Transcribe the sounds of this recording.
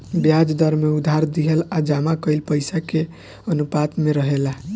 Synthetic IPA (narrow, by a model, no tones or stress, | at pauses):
bjad͡ʒd̪əɾmeud̪ʱaɾd̪iɦəlad͡ʒamakəɪlpəjsake | ənupat̪meɾəɦela